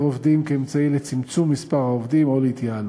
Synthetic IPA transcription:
ovd̪imkeːmt͡sailet͡simt͡sumːispaʁhaovd̪imo̞leit̪jal

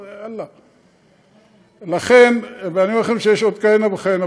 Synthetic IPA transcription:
alːa | laχenbeaniuaχemʃejeʃod̪kanabeχajena

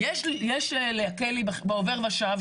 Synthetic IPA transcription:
jeʃjeʃleakelibabeove̞ʁvaʃav

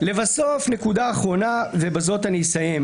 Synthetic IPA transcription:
le̞vaso̞fne̞kud̪aːχʁo̞nave̞bazo̞t̪anisajem

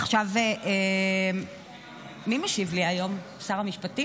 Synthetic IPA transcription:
aχʃaveʔe | mimeʃivliajo̞m | saʁamiʃpati

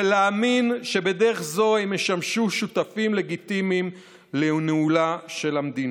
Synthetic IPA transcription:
leaːminʃe̞be̞deʁeχzo̞hemeʃamʃuʃutafimle̞ɡit̪imim | leneulaʃe̞lamd̪in

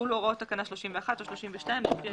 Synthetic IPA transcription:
uloʁot̪akanaʃloʃimveaχat̪oʃloʃimveʃtajme

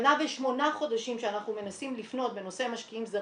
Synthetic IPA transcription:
naveʃmo̞naχo̞d̪aʃimʃeanaχnume̞nasimlifno̞t̪̚be̞no̞se̞amaʃkiimza

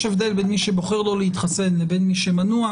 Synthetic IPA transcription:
ʃevd̪elbeːnmiʃeboχeʁlolehit̪χasenlebeːnmiʃemanua

